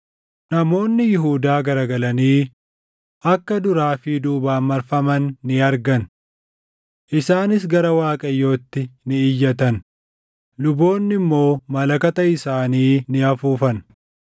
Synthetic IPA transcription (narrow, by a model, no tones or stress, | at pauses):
nɐmo̞ːnːɪjɪɦuːd̪aːɡɐɾɐɡɐlɐniː | ʔɐkːɐd̪ʊɾaːfɪd̪uːbaːmːɐɾfɐmɐnːɪɐɾɡɐn | ʔɪsaːnɪs̬ɡɐɾɐwaːkʼɐjːo̞ːt̪ːɪnɪɪjːɐt̪ɐn | lʊbo̞ːnːɪmːo̞ːmɐlɐkɐt̪ɐɪsaːniːnɪɐfuːfɐn